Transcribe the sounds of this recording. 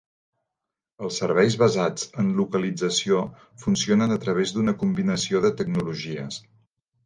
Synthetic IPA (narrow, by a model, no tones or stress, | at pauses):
əlˠsːəɾβɛjzβəzad͡zənlukəlid͡zəsio | funsionənət̪ɾəβ̞ezd̪unəkumbinəsioðət̪əɡnuluʒiə̰s